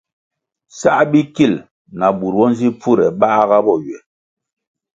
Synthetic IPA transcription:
sa˦ʔbi˦ki˦˨l | na˨bu˨ɾwɔ˦n˦zi˦pu˦˨ɾɛ˨ɓa˦ɣa˦bɔ˦˨ɥɛ˨

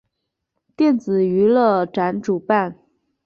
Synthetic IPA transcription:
t̪jɛ˥˩nt͡sɹ̩˨˩y˧˥lə˥˧ʈ͡ʂa˧˥nʈ͡ʂu˨˩pa˥˩n

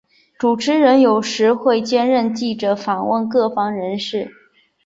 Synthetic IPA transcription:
ʈ͡ʂu˨˩ʈ͡ʂʰɻ̩˥ɻə˧˥njo˨˩ʊʂɻ̩˧˥xwe˥˧ɪt͡ɕjɛ˥nɻə˥˧nt͡ɕi˥˩ʈ͡ʂɤ˧˥fɑ˨˩nwə˥˧nkɤ˥˩fɑ˥ŋɻə˧˥nʂɻ̩˥˩

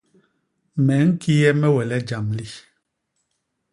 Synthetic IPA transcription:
mɛ˨˦ŋ̩˦ki˦jɛ˦mɛ˦wɛ˨lɛ˦d͡ʒa˨mli˦

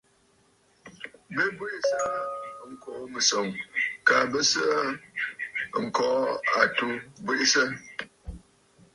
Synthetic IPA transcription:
bə˦bwi˦ʔsa˦ŋ̩˨kɔ˨ʔmɨ˨so˨ŋka˨bə˦sə˦ʔ | ŋ̩˨kɔ˨˦a˨tu˦bwi˦ʔsə˦

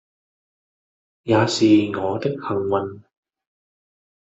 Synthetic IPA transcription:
jaː˨˧siː˨ŋɔː˨˧t̪ɪ˥k̚hɐ˨˩ŋwɐ˨˩n

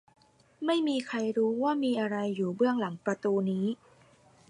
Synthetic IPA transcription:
ma˥˩jmiː˧kʰa˧jɾuː˦˥waː˥˩miː˧ʔa˧ɾa˧jːuː˨˩bɯ˥˩əŋla˩˦ŋpɾa˧t̪uː˧niː˦˥

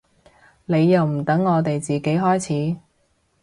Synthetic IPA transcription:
ne˨˧jːɐ˨wm̩˨˩t̪ɐ˨˥ŋːɔː˨˧t̪e˨jt͡siː˨ke˨˥jɦɔː˥jt͡sʰiː˨˥

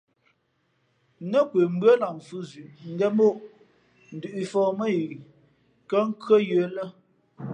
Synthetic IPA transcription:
nə˦kwə˨m̩˦bɰə˦la˨m˨fu˦zʉ˨ʔŋ̩˦ɡɛ˦mo˦˨ʔ | n̩˨dʉ˨ʔi˨fɔː˦˨mə˦ji˨ | kə˦ŋ̩˦kɰə˦jə˨˦lə˦

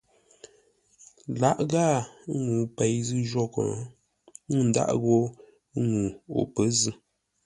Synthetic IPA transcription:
la˦ʔɣa˦˨˦ŋu˨pɛ˨jzɨ˦ʒo˦kɔ̰˨˦˨ | n̩˨da̰˦˨ʔɣo˦ | ŋu˨o̰˨pə˨˦zɨ˦

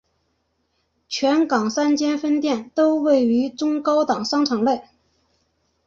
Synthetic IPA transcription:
t͡ɕʰɥɛ˧˥nkɑ˨˩ŋsa˥nt͡ɕjɛ˥nfə˥nt̪jɛ˥˩nt̪o˥ʊwe˥˩ɪy˧˥ʈ͡ʂʊ˥ŋkɑ˥ʊt̪ɑ˨˩ŋʂɑ˥ŋʈ͡ʂʰɑ˨˩ŋle˥˩ɪ

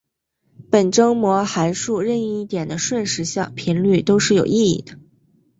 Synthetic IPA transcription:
pə˨˩nʈ͡ʂɤ˥ŋmwɔ˧˥xa˧˥ɪʂu˥˧ɻə˥˧ni˥˧i˥˩t̪jɛ˨˩nd̪ə˦ʂwə˥˧nʂɻ̩˧˥ɕjɑ̰˥˩ŋpʰi˧˥nly˥˩t̪o˥ʊʂɻ̩˥˩jo˨˩ʊi˥˧ḭ˥˩d̪̥ə˩

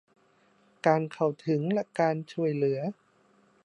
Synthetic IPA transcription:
kaː˧nkʰa˨˩wt̪ʰɯ˨˩˦ŋlɛ˦˥kaː˧nt͡ɕʰu˨˩əjlɯ˨˩˦ɐ

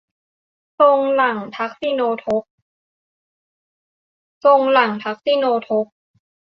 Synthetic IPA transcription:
so˧ŋla˨˩ŋt̪ʰa˦˥k̚si˧˩noː˧t̪ʰo˦˥k̚ | so˧ŋla˨˩ŋt̪ʰa˦˥k̚si˧˩noː˧t̪ʰo˦˥k̚

